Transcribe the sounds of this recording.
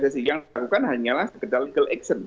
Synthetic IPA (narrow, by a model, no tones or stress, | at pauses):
dasɪhjaŋakukanɦaɲalahsəkədarliɡəlɛksən